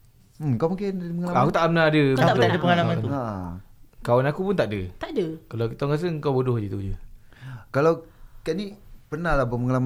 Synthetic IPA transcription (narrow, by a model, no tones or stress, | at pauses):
m̩mkawmuŋkɪndiəŋlamakut̪aʔpənaadəbkut̪adəpəŋalamanaʔkawanakupunt̪aʔdət̪adəkalakit̪ɔŋkas̬əŋkawbudʊhd͡ʒit̪ud͡ʒə | kalawkanipərnahlahbəməŋalam